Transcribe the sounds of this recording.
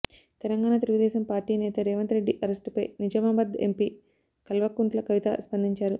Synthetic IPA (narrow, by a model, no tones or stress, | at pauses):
t̪ɛlɐŋɡaːnaːt̪eluɡud̪ɛːʃɐmpaːɾʈiːnɛːt̪ɐɾɛːʋɐnt̪ɾeɖːiʔɐɾesʈpɐjnid͡ʒɐmaːbɐd̪ḛmpiː | kɐlʋɐkːunt̪lɐkɐʋit̪ɐ̰spɐnd̪iɲt͡ʃaːɾu